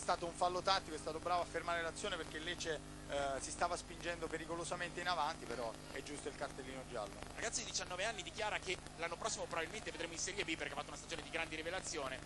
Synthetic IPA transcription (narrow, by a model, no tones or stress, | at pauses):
ɛst̪aːt̪ouɱfalːot̪at̪ːikoɛst̪at̪obɾaːvoafːermaːɾelat̪sːjoːneperkelːɛt͡ʃe | sist̪aːvaspind͡ʒɛnd̪opeɾikolozament̪einavant̪ipeɾɔ | ɛd͡ʒːust̪oilkart̪elːiːnod͡ʒa̰lːo̰ɾʔa̰ɡat̪sjid̪id̪it͡ʃanːɔːveanːid̪ikjaːɾake | lanːopɾɔsːimopɾovabilment̪eved̪ɾeːmoinsɛɾjebipːeɾrkeafat̪ːounast̪ad͡ʒoːned̪iɡɾand̪eɾivelat̪sːjoːne